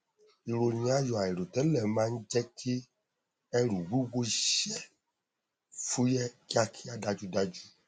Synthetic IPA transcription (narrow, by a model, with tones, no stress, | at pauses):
i˨ɾo˧ɲ̃˨a˦jɔ˨a˨i˨ɾo˨tɛ˨˦lɛ˦˨mã˦n̩˦d͡ʒɛ˦kʰi˦ | ɛ˦ɾu˨ɡu˦ɡo˦ʃɛ˦ | fu˦jɛ˦ki˦a˧kʰi˦a˦da˧d͡ʒu˦da˦d͡ʒu˦